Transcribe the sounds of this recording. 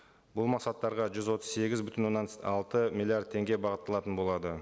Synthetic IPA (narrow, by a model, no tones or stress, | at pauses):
bʊlˠmɑqsɑt̪ːɑɾʁɑʒʏzwo̞t̪ə̥zse̞ɡʲɪzbʏt̪ɪnwo̞nːɑnɑlˠt̪əmʲilʲˠiard̪̚t̪ʰe̞ŋɡʲebɑʁət̪ːɑlˠɑt̪ənbo̞lˠɑd̪ə